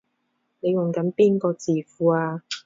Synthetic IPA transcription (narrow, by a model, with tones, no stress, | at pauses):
ne˨˧jwʊ˨˩ŋkɐ˨˥npiː˥nkɔː˧t͡siː˨˩fuː˨˦aː˧